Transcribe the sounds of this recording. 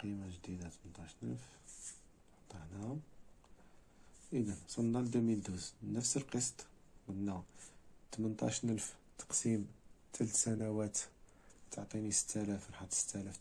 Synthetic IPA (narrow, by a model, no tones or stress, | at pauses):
qimaʒd̪id̪at̪mənt̪ˤɑʃnə̰lf | nħt̪ˤːɑħnæ | ʔəd̪ænsˤɑnːɑd̪umild̪uznəfsəlqəst̪ˤ | məd̪nːæt̪mənt̪ˤɑ̰ʃnəlft̪ɑ̥qsimt̪ʰælət̪sænæwæt̪ | t̪əʕt̪ˤinisə̥t̪ʰːælæfɾħɑt̪ˤsə̥t̪ːælæf